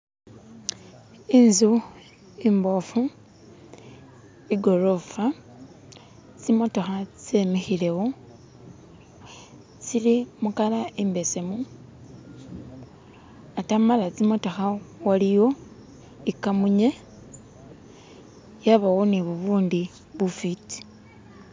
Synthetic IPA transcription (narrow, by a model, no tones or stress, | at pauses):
inzu | imbo̞fu | iɡo̞ɾofa | t͡simo̞to̞xat͡semixile̞wo | t͡silimukalaʔimbe̞se̞mu | atamalat͡simoto̞xawalijo̞ | ikamuɲe | jaβaɣoniβuβuːndi | βufiti̥